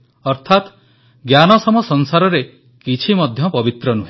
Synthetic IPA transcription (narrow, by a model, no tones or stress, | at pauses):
ɔɾt̪ʰat̪ | ɡjanɔsɔmɔsɔnsaɾɔɾe | kit͡ʃʰimɔd̪ʱjɔpɔbit̪ɾɔnuɦe